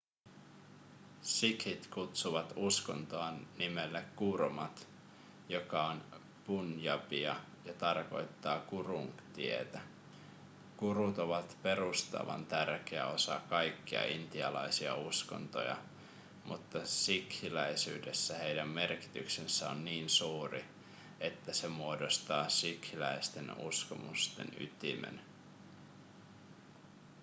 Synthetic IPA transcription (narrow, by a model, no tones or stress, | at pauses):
sikhit̪kut̪suʋɑt̪usko̞̰nt̪oɑnːimelːekːurmɑt̪ | jo̞kɑon | punjɑpiɑ | jɑt̪ɑrko̞̰jt̪ːɑːkuruŋt̪iḛt̪æ | kuɾut̪o̞ʋɑt̪pe̞ɾust̪ɑ̰ʋɑ̰nt̪ærk̟eæ̰o̞sɑkɑjkːiɑ̰int̪iɑlɑjsiɑ̰usko̞̰nt̪o̰jɑ̰ | mʔut̪ːɑsikhilæjsy̰ːde̞sːæhe̞jdæmme̞rki̥t̪yksesːæo̞nːiːnsuːri | e̞t̪ːæse̞muodo̞st̪ɑːsikhilæist̪e̞nṵsko̞mṵst̪ḛny̰t̪imḛn